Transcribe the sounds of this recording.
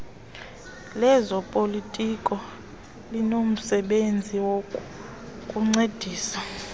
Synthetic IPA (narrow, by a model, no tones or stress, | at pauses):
lɛzɔpʼolitʼikʼɔ | linom̩sɛɓend͡zʱiwokʼ | kʼuŋ͡ǀed̥ʱiːsa